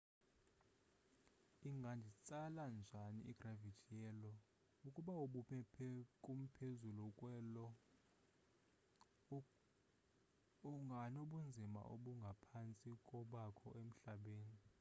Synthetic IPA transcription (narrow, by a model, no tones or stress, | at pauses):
iŋɡʱandʱit͡sʼaland͡ʒʱanḭʔḭɡ̥ravitʰijjɛlɔ | ukʼuɓauɓumɛpʰɛkʼum̩pʰezulukʼwɛlɔ | ɔŋɡʱanoɓund͡zʱima̰ʔoɓuŋɡʱapʰant͡sʼikʼɔɓakʰɔʔem̩ɬaɓeːni